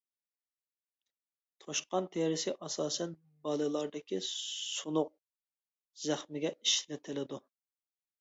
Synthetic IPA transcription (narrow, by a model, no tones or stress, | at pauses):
t̪ʰoʃqɑnt̪ʰeɾɪsɪʔɑsɑːsɛn | bɑlˠɨlˠɑɾd̪ɪkʲʰisunʊq̚ | zæχmɪɡʲɛiʃlɪt̪ʰɪlɪd̪u